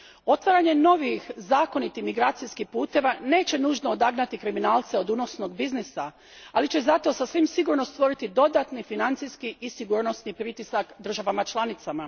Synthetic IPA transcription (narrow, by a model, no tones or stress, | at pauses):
o̞t̪ʋaɾaɲe̞no̞ʋixzaːko̞nit̪imiɡɾaːt̪sijskihpuːt̪e̞ʋane̞ːt͡ɕe̞nuːʒnood̪aɡnat̪ikɾiminaːlˠt̪se̞o̞d̪uno̞sno̞ɡbiznisa | alit͡ɕe̞zat̪o̞sasʋimsiɡuɾno̞st̪ʋo̞ɾit̪id̪o̞d̪at̪nifinant̪sijskiːsiɡuːɾno̞snipɾit̪isakd̪r̩ʒaʋamat͡ʃlˠanit̪sama